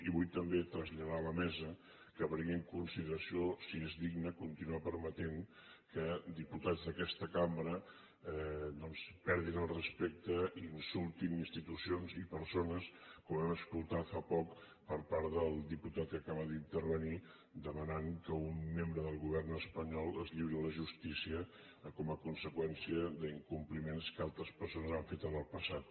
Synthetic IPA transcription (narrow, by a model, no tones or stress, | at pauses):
iβujt̪əmbet̪ɾəzʎəðaləmɛzə | kəβɾiŋɡiŋkunsiðəɾəsiosiezðiɡnəkunt̪inuapəɾmət̪eŋ | kəd̪iput̪ad͡zðəkɛst̪əkambɾə | ɛd̪ɔnspɛɾðinəlˠrəspɛk̚t̪əiːnsulˠt̪ininst̪it̪usionzipəɾsonəskɔmɛməskulˠt̪at̪fapɔk | pəɾpaɾðəlˠd̪iput̪at̪̚kəkaβəðint̪əɾβəni | d̪əmənaŋkəumːembɾəðəlˠɣuβɛrnəspəɲɔlˠəzʎiβɾiləʒust̪isiə | kɔməkunsəkwɛnsiəðəiŋkumplimenskalˠt̪ɾəspəɾsonəzaɱfet̪ənəlˠpəsat̪̚